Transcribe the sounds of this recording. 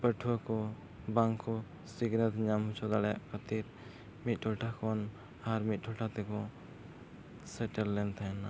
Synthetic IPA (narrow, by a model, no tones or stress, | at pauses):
pəʈʰuwakɔ | baŋkɔ | siɡnət̪ɲamɦut͡ʃʰɔd̪aɽɛja̰ʔkʰət̪iɾ | mit̪̚ˀʈʰɔlʈʰakɔn | aɾmit̪̚ˀʈʰɔʈʰat̪ɛkɔ | səʈəlːɛnt̪ʰajna